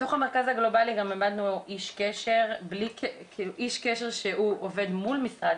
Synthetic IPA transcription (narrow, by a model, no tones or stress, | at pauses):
t̪o̞χameʁkazhaɡlo̞baliɡamemad̪nuʔiʃkeʃeʁblikekiluʔiʃkeʃe̞ʁʃeuʔove̞d̪mulmisʁad